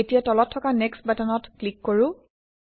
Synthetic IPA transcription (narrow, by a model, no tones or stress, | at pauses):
etijatɔlɔtʰːɔkanɛkstbɛtanɔtklikːoɹʊ̃